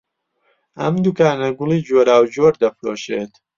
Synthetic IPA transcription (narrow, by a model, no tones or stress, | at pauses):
ʔɐmd̪ukaːnɐɡʊliːd͡ʒoːɾaːwd͡ʒoːɾd̪ɐfɾoːʃḛːt̪